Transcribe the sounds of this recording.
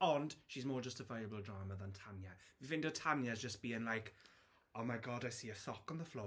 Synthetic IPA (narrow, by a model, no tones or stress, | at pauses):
ənd̥ʃizmɔːd͡ʒʌstəvaɪəbəlˠdɹaːməðə̃ntʰanjəvivɪ̃ndətʰanjəzd͡ʒʌsb̥iːɪ̃ŋlajk | oʊmaɪɡɔdaɪsiːəθɔkn̩ðəflɔː